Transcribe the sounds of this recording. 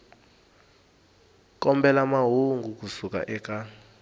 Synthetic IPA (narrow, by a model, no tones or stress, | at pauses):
k̬ʼɔmbɛlamaɦuŋɡʱuk̬usukʼa̰ʔɛk̬ʼa